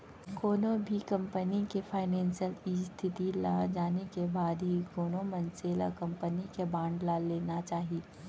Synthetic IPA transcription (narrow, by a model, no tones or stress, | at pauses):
koːnõbʱikɐ̃mpənikepʰaːɪnɛ̃ːnsjəlist̪ʰɪt̪ilad͡ʒaːnekebaːd̪ɦikoːnõmɐnseːlə̰kɐ̃mpənikebãːɳɖlaleːnat͡ʃaːɦi